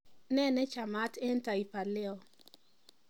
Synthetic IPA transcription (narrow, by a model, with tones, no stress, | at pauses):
nɛ˦nɛ˦t͡ʃa˨ma˦tɛ˦nta˨i˨pa˨lɪ˦ɔ˨